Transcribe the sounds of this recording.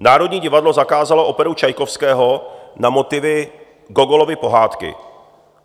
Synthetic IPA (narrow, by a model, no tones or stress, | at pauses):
naːɾo̞dɲiːɟɪvadlo̞zakaːzaloʔo̞pɛɾut͡ʃajkofskɛːɦonamo̞t̪ɪvɪ | ɡoɡolovɪpo̞ɦaːt̪kɪ̰